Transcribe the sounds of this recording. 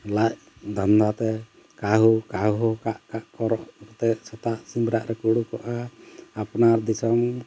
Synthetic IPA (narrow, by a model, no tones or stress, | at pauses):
lac̚ | d̪and̪at̪ɛ | kaɦukaɦɔkaʔkaʔkɔɾɔʔkɔt̪ɛsɛt̪aʔsimɾaʔɾɛkuɽukɔʔaːpnaɾd̪isɔm